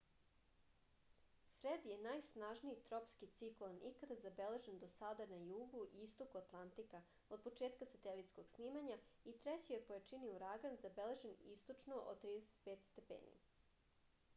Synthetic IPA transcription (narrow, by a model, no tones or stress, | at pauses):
fɾed̪je̞najsnaːʒniit̪ɾopskit̪siklˠonikad̪azabele̞ʒend̪osad̪anajuːɡuʔiist̪okuat̪lˠant̪ika | o̞d̪̚po̞t͡ʂeːt̪kasat̪elit̪skoɡ̥sniːmaɲait̪ɾet͡ɕijepojat͡ʃiniuɾaɡanzabele̞ʒe̞nist̪ot͡ʃnoʔo̰t̪ɾiːd̪eset̪̚peːt̪st̪epḛːnḭ